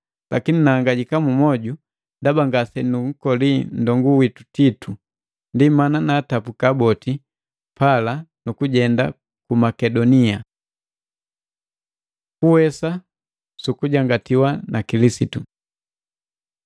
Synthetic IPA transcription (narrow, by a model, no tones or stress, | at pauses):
lakininaːŋɡaɟikamumɔɟu | ndabaŋɡasɛnuŋ̩kɔlin̩dɔŋɡuwitu̥titʰu | ndimananaːtapukabɔti | palanukuɟɛnda | kumakɛdɔnia | kuwɛsa | sukuɟaŋɡatiwanakilisitu